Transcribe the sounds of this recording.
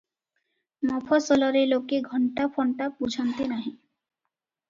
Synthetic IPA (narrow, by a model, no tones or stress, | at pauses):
mɔpʰɔsɔlɔɾelokeɡʱɔɳʈapʰɔɳʈapud͡ʒʱɔnt̪enaɦĩ